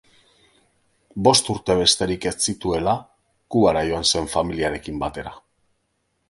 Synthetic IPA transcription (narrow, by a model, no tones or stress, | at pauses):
bo̞st̪uɾt̪e̞β̞e̞st̪e̞ɾike̞t͡sit̪ue̞la | kuɣaɾajo̞anse̞ɱfamiliaɾe̞kimbat̪e̞ɾa